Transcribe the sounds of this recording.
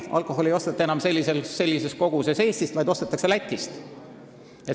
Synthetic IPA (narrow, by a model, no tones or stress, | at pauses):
ɑ̰lkˑo̞ɦo̞lejo̞st̪ɑt̪ːˑɑenɑmse̞lʲːiselsːe̞lːise̞sko̞ɡ̥use̞se̞ːst̪ist̪vɑjd̪o̞st̪ɑt̪ːˑɑkse̞læt̪ʲˑːist̪ | et̪